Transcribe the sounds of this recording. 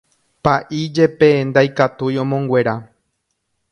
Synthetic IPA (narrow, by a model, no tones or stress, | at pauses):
paʔid͡ʒe̞pe̞nd̪ajkat̪ujõ̞mõŋɡʷe̞ɾa